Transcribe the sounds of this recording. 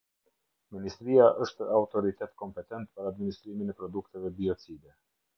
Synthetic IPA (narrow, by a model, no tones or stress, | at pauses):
minist̪ɾiaʔəʃt̪ɛawt̪ɔɾit̪ɛt̪kɔmpɛt̪ɛnt̪paɾaːd̪minist̪ɾiminɛpɾɔd̪ukt̪ɛvɛbiɔt͡sid̪ɛ